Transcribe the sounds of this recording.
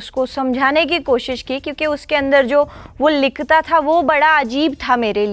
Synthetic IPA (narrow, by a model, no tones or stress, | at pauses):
ʊskosɐmd͡ʒʱaːnek̬ikoːʃɪʃkikjõːkiʊskeɐ̃nd̪əɾd͡ʒoːʋolɪkt̪at̪ʰaʋobɐɽaɐd͡ʒiːbt̪ʰameːɾeli